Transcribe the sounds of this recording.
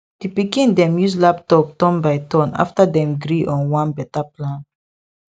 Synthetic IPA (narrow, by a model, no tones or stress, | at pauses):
d̥ipikĩndɛ̃mjuslap̚tɔp̚tɔ̃nbaɪtɔ̃na̰ftadɛ̃mɡɾiʔɔ̃nwãnbɛtaplãn